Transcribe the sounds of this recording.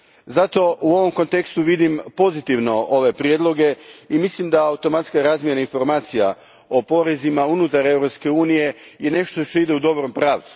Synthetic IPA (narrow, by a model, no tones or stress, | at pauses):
zat̪o̞ʔuo̞ʋo̞mko̞nt̪e̞kst̪uʋid̪impo̞zit̪iʋno̞ʔo̞ʋe̞pɾjed̪lˠo̞ɡe̞imislimd̪aaut̪o̞mat̪skaɾazmje̞nainfo̞ɾmaːt̪sija̰ | o̞po̞ɾezimaunut̪aɾe̞vɾo̞pske̞uːnije̞je̞ne̞ʃt̪o̞ʃt̪oid̪eud̪o̞bɾo̞mpɾaːʋt̪su̥